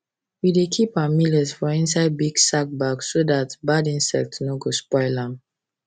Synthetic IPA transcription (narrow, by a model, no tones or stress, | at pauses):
widekʰipamilɛzfɔĩnsaɪd̚biɡsak̚baɡsːodatbadĩnsɛ̰k̚tnoɡospɔɪlãm